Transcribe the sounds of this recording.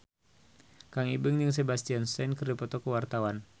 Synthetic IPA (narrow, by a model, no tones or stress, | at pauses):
kaŋibəŋd͡ʒəŋs̬ebast̪iansɛnkərdipɔt̪ɔkəwart̪awan